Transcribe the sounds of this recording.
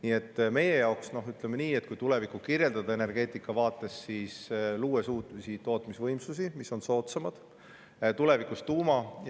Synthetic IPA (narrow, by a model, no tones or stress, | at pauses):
niːe̞t̪ːme̞je̞jɑwksno̞ɦyt̪ˑlemeniːet̪̚ːkujt̪ule̞vikːˑukirje̞ld̪ɑd̪̥ɑe̞ne̞rɡ̥e̞ːt̪ˑikːˑɑvɑːt̪ːˑe̞sːiːsluːesuːt̪misit̪o̞ːt̪misvɤjmsusimiso̞nso̞ːt̪semɑd̪̥ | t̪ule̞vikust̪uːmɑ